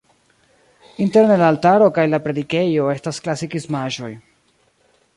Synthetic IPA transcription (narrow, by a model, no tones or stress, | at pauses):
inte̞ɾnelaːltaɾo̞kajlapɾe̞dike̞jo̞e̞stasklasikiszmaʒo̞̰j